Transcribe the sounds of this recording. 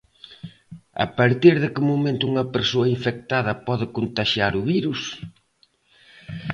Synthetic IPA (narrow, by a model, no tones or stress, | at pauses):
ɐ̰paɾt̪iɾðɪkɪmomẽnt̪ʊuŋɐpeɾsoɐiɱfek̚t̪aðɐpɔðɪkont̪aʃjaɾʊβiɾus